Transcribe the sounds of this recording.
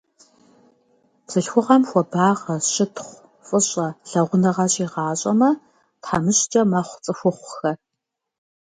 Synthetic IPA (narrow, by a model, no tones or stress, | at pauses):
psɨɬxʷʊʁɐmxʷɔbaːʁɐɕɪtʰχʷ | fʼɨɕʼɐɬɐʁʷʊnɐʁɐɕʼiːʁɑːɕʼɐmɐ | tħamɨɕt͡ʃʼɐmɐχʷt͡sʼɨxʷʊχʷxɐ